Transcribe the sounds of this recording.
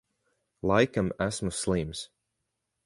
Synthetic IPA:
lˠajkamæsmusːlˠims

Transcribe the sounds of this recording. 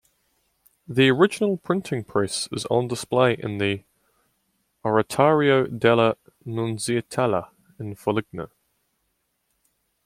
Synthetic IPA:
ðiəɹɪd͡ʒɪnəlˠpʰɹ̥ɪ̃ntʰɪ̃ŋpʰɹ̥ɛsɪ̰zn̩dɪspleɪʔɪ̰̃nði | ɔɹətʰɑːɹiəʊdɛlə | nũnziətʰɛlə̰ | ɪ̃nfəlɪɡ̚nə̰

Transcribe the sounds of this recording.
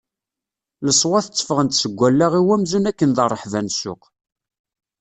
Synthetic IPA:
ləsˤwɑθət͡sːə̥fəʁənt̪səɡʷːælːæʁiwæmzunækːənðərˤːəħvænsʊ̰q

